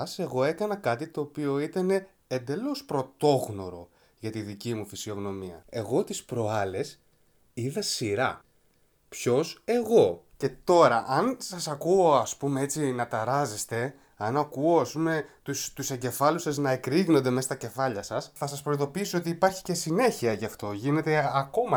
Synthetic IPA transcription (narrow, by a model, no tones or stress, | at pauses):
ɐse̞ɣo̞e̞kɐnɐkɐt̪it̪o̞ːpio̞it̪ɐne̞ː | nd̪e̞lo̞spɾo̞t̪o̞ɣno̞ɾo̞ | ʝɐt̪iðicimufisio̞ɣno̞miɐ̰e̞ɣo̞t̪ispɾo̞ɐle̞s | iðɐsiɾɐ | pço̞se̞ɣo̞ce̞t̪o̞ɾɐʔɐnsɐsɐkuoɐspumee̞t͡sinɐt̪ɐɾɐzest̪e̞ | ɐnɐkuo̞ɐspume̞t̪ust̪use̞ɲɟe̞fɐlusɐznɐekɾiɣnond̪e̞mesɐ̥t̪ɐce̞fɐʎɐsɐsθɐsɐspɾoiðo̞piisoo̞t̪iːpɐɾçi̥ce̞sine̞çiɐʝɐft̪o̞ʝine̞t̪e̞ɐko̞mɐ